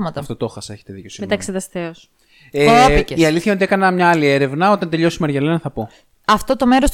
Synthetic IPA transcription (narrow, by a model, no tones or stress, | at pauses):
mɐt̪ɐft̪ot̪oxɐse̞çet̪eðicosimet̪ɐksiðɐst̪eos | epiceiɐliθçɐot̪ie̞kɐnɐmɲɐɐlie̞ɾe̞vnɐo̞t̪ɐnt̪e̞ʎo̞simɐɾʝɐlenɐθɐpo̞ | ɐft̪ot̪ome̞ɾos